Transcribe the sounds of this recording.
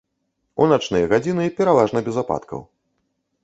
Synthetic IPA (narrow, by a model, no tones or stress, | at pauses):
unat͡ʂnɨjɐɣad͡zʲinɨpʲɛɾavaʐnɐbʲɛzapa̰t̪kʰɐ̰w